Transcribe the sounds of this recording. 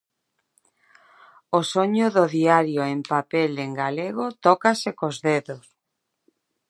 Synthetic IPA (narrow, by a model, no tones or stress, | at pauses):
osoɲʊðoðiaɾjoempapeleŋɡaleɣot̪ɔkasekozðeðos